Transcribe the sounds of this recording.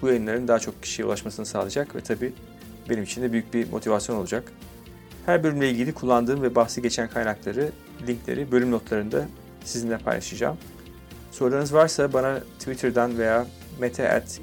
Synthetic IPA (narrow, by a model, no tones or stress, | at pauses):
b̥ujajɯnlˠaɾɯnd̪aːat͡ʃʰo̞k̚cʰi̥ʃijɛṵlˠaʃmasɯnɯsaːlˠad͡ʒakvɛ̰t̪ʰabiː | be̞nimit͡ʃʰind̪ɛbyjyc̚bimʔot̪ʰivasjo̞no̞lˠud͡ʒak | hæɾbølʲymlʲɛilʲɟilʲikʰulˠːand̪ɯːnvɛbaxsɯɟe̞t͡ʃʰænkʰajnaklˠaɾɯ | lʲiɲclʲḛɾibø̞lʲymno̞t̪lˠaɾɯnd̪a | sizinlʲɛpʰa̰jlˠa̰ʃɯd͡ʒa̰ːm | so̞ɾd̪anɯzvaɾsabanat̪ʰvit̪ʰiɾd̪ænve̞jaː | met̪ʰeʔæ̰t̪